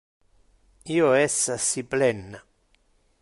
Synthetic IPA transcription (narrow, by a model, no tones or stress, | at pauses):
iːoɛsːasiplɛnːa